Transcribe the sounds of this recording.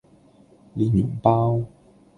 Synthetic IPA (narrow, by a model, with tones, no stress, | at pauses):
li˨˧˥jyː˨˩ŋpaː˥w